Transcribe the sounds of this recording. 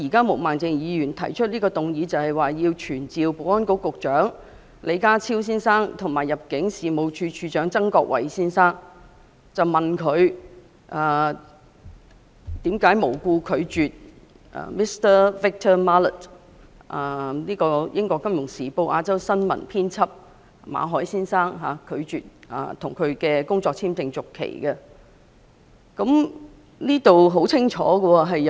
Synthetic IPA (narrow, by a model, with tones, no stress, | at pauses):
iː˨˩kaː˥mo˨˩wmaː˨nt͡sɪ˧ŋjiː˨˧jyː˨˩nt̪ʰɐ˨˩jt͡ʃʰt̚niː˥kɔː˧t̪ʊ˨ŋjiː˨˧t͡sɐ˨whɐ˨jwaː˨jiː˧wt͡ʃʰyː˨˩nt͡siː˨wpo˨˥ɔː˥nko˨˥kʊ˨k̚t͡ʃœː˨˥ŋ | lʔe˨˧jkaː˥t͡sʰiː˥ws̬iː˥nsaː˥ŋt̪ʰʊ˨˩ŋmaː˨jːɐ˨p̚kɪ˨˥ŋsiː˨mo˨˧wt͡ʃʰyː˧t͡ʃʰyː˧t͡ʃœː˨˥ŋt͡sɐ˥ŋkɔː˧k̚wɐ̰˨˩jsiː˥nsaː˥ŋ | t͡sɐ˨wmɐ˨nkʰɵ˨˧ɥ | ʔaː˨ | t̪iː˨˥mkaː˨˥jmo˨˩wkuː˧kʰɵ˨˧ɥt͡ʃyː˨t̚ | ʔa̰˨mi˥st̪ə˥fɪ˥k̚t̪ʰœː˥maː˥lə˨t | ʔa˨˩niː˥kɔː˧jʔɪ˥ŋkɔː˧kːɐ˥mjʊ˨˩ŋsiː˨˩po˧wʔaː˧t͡sɐ˥wsɐ˥nmɐ̰˨˩npʰiː˥nt͡sʰɐ˥p̚ | ma̰ː˨˧ɦɔː˨˥jsiː˥nsaː˥ŋɦaː˨kʰɵ˨˧ɥt͡ʃyː˨t̚ʔa̰˨˧t̪ʰʊ˨˩ŋkʰɵ˨˧ɥkɛː˧kʊ˥ŋt͡sɔː˧k̚t͡sʰiː˥mt͡sɪ˧ŋt͡sʊ˨˩kʰːḛ˨˩jkə˧ | kɐ˨˥m | niː˥t̪o˨wɦo˨˥wt͡sʰɪ˥ŋt͡ʃʰɔ̰ː˨˥ɡə˧wɔ˧ɦɐ˨j